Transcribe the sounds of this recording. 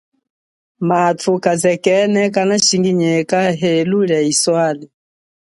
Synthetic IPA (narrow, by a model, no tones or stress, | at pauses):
matʰukazɛkɛnɛkanaʃiŋɡiɲɛkaɦɛluɺaiswali